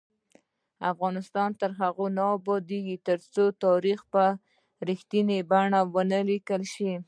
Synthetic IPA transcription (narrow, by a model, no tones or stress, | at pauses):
afɣɑnɪst̪ɑnt̪əɾɦaɣonɑwbɑd̪eɡit̪əɾt͡sot̪ɑɾixpə | ɾixt̪inebaɳawənəlikəlʃi